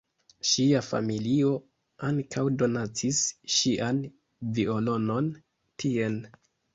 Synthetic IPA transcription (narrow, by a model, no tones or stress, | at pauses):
ʃiafa̰milio̞ | aŋkʰawdo̞nat͡sisʃiʔan | vio̞lo̞no̞n | tʰie̞l